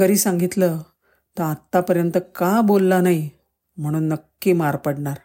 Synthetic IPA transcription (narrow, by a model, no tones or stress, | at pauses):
kəɾiːsãŋɡit̪lə | t̪əat̪ːapəɾjənt̪əkabolːanai | m̤əɽ̃uːnːəkːimaɾpəɽɳaɾ